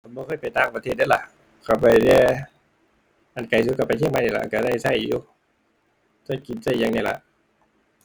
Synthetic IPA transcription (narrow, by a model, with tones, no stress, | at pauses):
bɔː˧kʰɤː˧˥˨jpa˨˩jt̪aː˧˥˩ŋpa˧t̪ʰeː˥˧˩t̪̚ːla̰˧˩ʔ | kʰa˧˩pa˨˩jdɛː˧˩˨ | ʔa˨˩nka˨˩js̬u˧˦ka˧˩pa˨j̪ʰi˥˨ŋma˧˥na˧˩˨la̰˧˨ka˧˩da˧˥˩jsa˧˩˨jṵː˧˦ | sa˧˩˨ki˨˩nsa˧˩˨jːa˧ŋna˧˩la̰˧ʔ